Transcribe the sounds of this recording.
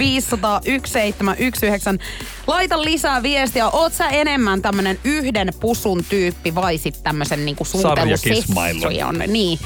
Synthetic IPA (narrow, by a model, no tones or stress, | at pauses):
iːsːɑt̪ɑːʔyksseit̪ːemæʔyksyheksæn | lɑit̪ɑllisæːʋiest̪jɑʔoːt̪sæenemːænt̪æmːønenyhdenpusunt̪yːpːiʋɑisit̪tæmːøsenniːŋkusuːelːuseɑ̰ilio̰n̰niː